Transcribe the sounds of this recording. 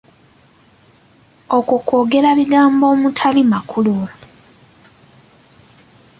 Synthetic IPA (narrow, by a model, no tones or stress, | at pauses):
o̞kuko̞ːɡe̞ɾaβiɡaːmbo̞ːmutʰalimakʰulula